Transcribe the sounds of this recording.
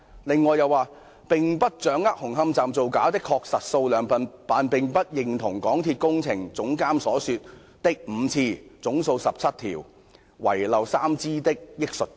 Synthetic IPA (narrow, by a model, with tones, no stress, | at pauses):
lɪ˨ŋːɔː˨jɐ˨˧waː˨˧ | pɪ˨ŋpɐ˥t̚t͡ʃœː˨˥ŋɐ˥t̚hʊ˨˩ŋɦɐ˥mt͡saː˨mt͡so˨wkaː˨˥wt̪ɪ˥kʰːɔː˧k̚sɐ˨t̚so˧wlœː˨˧ŋɐ˨npaː˨˧npɪ˨ŋpɐ˥t̚jɪ˨ŋt̪ʰʊ˨˩ŋkɔː˨˥ŋt̪ʰiː˧t̚kʊ˥ŋt͡sʰɪ̰˨˩ŋt͡sʊ˨˥ŋkaː˥msɔː˨˥syː˧t̚ | t̪ɪ˥k̚m̩ː˨˧t͡sʰiː˧t͡sʊ˨˥ŋso˧wsɐ˨p̚t͡sʰɐ˥t̚t̪ʰḭː˨˩w | wɐ̰˨˩jlɐ˨wsaː˥mt͡siː˥t̪ɪ˥k̚jɪ˥k̚sɵ˨t̚